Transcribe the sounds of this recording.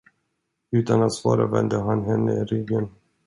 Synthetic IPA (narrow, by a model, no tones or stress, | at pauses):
ʉ̟ːt̪anat̪svɑːɾavɛnd̪əɦanɦɛnːəɾɪɡːən